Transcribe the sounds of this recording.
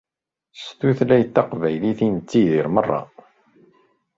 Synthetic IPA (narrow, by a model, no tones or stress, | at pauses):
st̪uθlæjθːɑqvæjliθinət͡sːiðiɾmərˤːɑ̰